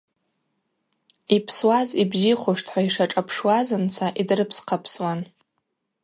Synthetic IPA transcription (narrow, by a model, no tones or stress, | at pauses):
ipʰswazibziχʷʊʂtʰħʷaiʂaʈ͡ʂʼapʰʂwazɨnt͡sʰaʔidrɨpʰsqʰapʰswan